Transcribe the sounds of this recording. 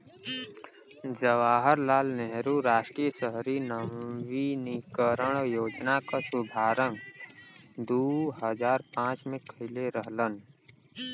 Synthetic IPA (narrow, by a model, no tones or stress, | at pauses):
d͡ʒəʋaːɦəɾlaːlnɛɦɾuɾaːʃʈɾijəsəɦɾinəʋinikəɾəɽ̃joːd͡ʒnakasʊbʱaːɾəŋɡ | d̪uːɦəd͡ʒaːɾpãːt͡ʃmẽkʰəɪleɾəɦlən